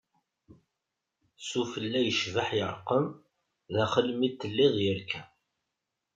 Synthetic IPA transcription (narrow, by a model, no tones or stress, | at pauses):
sufəlːæjəʃvəħjəɾˤqəm | ðæχəlmit̪ːəlːiðˤjəɾkʰæ